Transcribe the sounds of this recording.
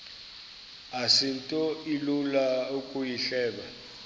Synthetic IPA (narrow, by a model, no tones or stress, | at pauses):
asintʼɔilulaukʼujiɬɛːɓa